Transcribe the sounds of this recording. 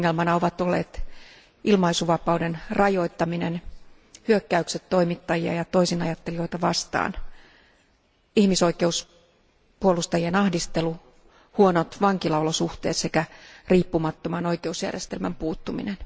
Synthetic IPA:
ŋːelmɑnɑoʋɑt̪olːeːt̪ | ʔilmɑisuʋɑpɑudenrɑjo̞it̪ːɑminen | hyøkːæykset̪to̞imit̪ːɑjiɑ̰jɑt̪o̞isinɑjɑt̪ːelio̞ijt̪ɑʋɑst̪ɑ̰ːn | ihmiso̞ike̞us | puolust̪ɑjienɑhdist̪elu | huonot̪ʋɑŋkilɑolosuht̪eːt̪se̞kæriːpːumɑt̪ːomɑno̞ikeusjæ̰rjest̪e̞lmæ̰mpuːt̪ːumḭnen

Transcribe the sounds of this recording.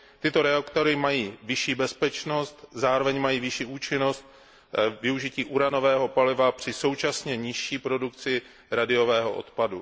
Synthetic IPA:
t̪ɪt̪o̞ɾɛakt̪o̞ɾɪmajiːvɪʃiːbɛspɛt͡ʃno̞st̪zaːɾo̞vɛɲmajiːvɪʃiːʔuːt͡ʃɪno̞st̪̚ | vɪuʒɪciːʔuɾano̞vɛːɦo̞palɪvapr̥ɪso̞wt͡ʃasɲɛɲɪʃiːpɾo̞dukt͡sɪ | ɾadɪo̞vɛːɦo̞̰ʔo̰t̪padu

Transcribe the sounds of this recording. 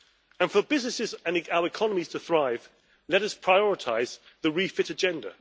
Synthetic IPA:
ə̃nfəbɪznɪsɪzə̃nɪaʊəɹɪkʰɒnəmiz̥tʰəθɹaɪv̥ | lɛɾʌspʰɹ̥aɪɔɹɪtʰaɪz | ðəɹiːfɪtəd͡ʒɛ̃ndə̰

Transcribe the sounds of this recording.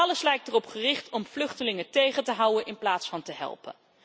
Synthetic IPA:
ɑləslɛjk̚tərɔpχərɪχtɔmvlɵχtəlɪŋətejχəntəɦʌwənɪnplaːtsfɑntəɦɛ̰lˠpə̰n

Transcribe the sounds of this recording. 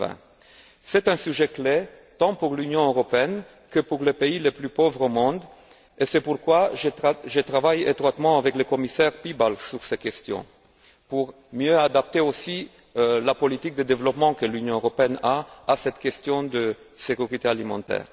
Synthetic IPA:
ɛ̰̃ | sɛt̪ɛ̃syʒekle | t̪ɑ̃puʁlynjɔ̃øʁɔpeɛn | kəpuʁlepeileplypɔvʁomɔ̃d̪ | esɛpuʁkwaʒʒət̪χavajḛt̪ʁwat̪mɑ̃avɛklekɔmisɛʁpibalsyʁsɛkʲɛst̪jɔ̰̃ | puʁ | mjøad̪ap̚t̪eosi | lapɔlit̪ik̚d̪əd̪evlɔpmɑ̃kəlynjɔ̃øʁɔpeɛnaasɛt̪kʲɛst̪jɔ̃d̪ə | sekʲyʁit̪ealimɑ̰̃t̪ɛ̰ːʁ

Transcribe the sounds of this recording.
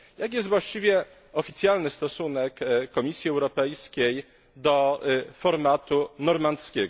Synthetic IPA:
jak̬jɛst̪vwaɕt͡ɕivʲjɛ | ɔfʲit̪sʲjalnɘst̪ɔsunɛkːɔmʲisʲjiɛwɾɔpɛjskʲej | d̪ɔfɔɾmat̪unɔɾmant̪skʲɛɡ

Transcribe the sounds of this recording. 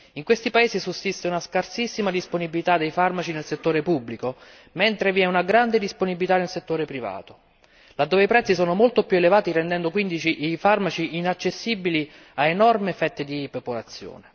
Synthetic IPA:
iŋkwest̪ipaeːsisusːist̪eunaskarsisːimad̪isponibilit̪ad̪ːejfarmat͡ʃinelset̪ːoːɾepubːliko | mɛnt̪ɾeviɛunaɡɾand̪ed̪isponibilit̪anelset̪ːoːɾepɾiva̰ːt̪o | lad̪ːoːveipɾɛt̪sːisɔːnomolt̪opjuelevaːt̪irend̪ɛnd̪okwind̪it͡ʃiʔifarmat͡ʃiinat͡ʃːesːibili | aenɔrmefɛt̪ːed̪ipepolat̪sːjo̰ːne

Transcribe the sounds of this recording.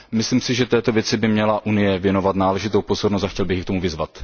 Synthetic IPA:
mɪslimsɪʒɛt̪ɛːt̪o̞vjɛt͡sɪbɪmɲɛlaʔunɪjɛvjɛno̞vat̪naːlɛʒɪt̪owpo̞zo̞ɾnost̪axcɛlbɪxjkt̪o̞muvɪzvat̪

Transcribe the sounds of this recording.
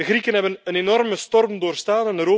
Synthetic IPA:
əɣɾikənɦɛbənənenɔrməstɔrmdoːrstaːnɛnɾoː

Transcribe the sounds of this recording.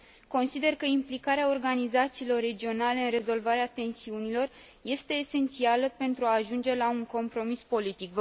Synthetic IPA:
ko̞nsid̪e̞rkəimplikaɾeao̞rɡanizat̪siːlo̞rːe̞d͡ʒio̞nale̞ɨnre̞zo̞lvaɾeat̪e̞nsiunilo̞r | je̞st̪e̞ːse̞nt̪sialəpe̞nt̪ɾuaːʒund͡ʒe̞lauŋko̞mpɾo̞mispo̞lit̪ikv

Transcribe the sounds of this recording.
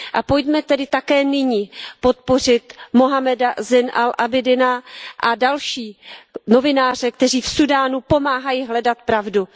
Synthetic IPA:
ʔapojdmɛt̪ɛdɪt̪akɛːnɪɲiːpo̞t̪̚po̞r̝ɪt̪moɦamɛdazɪnʔalʔabɪdɪnaʔadalʃiːno̞vɪnaːr̝ɛk̚t̪ɛriːfsudaːnupo̞maːɦajiɦlɛdat̪̚pɾavdu

